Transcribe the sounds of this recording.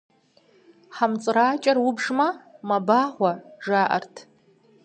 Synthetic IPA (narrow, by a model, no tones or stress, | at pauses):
ħamt͡sʼraːt͡ʃʼarwʊbʐmamabaʁʷaʐaʔa̰rtʰ